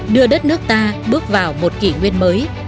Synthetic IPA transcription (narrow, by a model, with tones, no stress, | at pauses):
ɗɨ˧əɗə˦˥t̚nɨ˦˥ək̚t̪aː˧ɓɨ˦˥ək̚vaː˨˩wmo˨˩t̚kḭ˧˩ŋwi˧ənməː˨˦j